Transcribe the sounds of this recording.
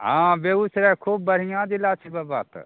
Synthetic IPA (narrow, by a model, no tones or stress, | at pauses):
ɦãbeusɾɛkʰubːəɽ̤ijãd̪ilat͡ʃʰibabaːt̪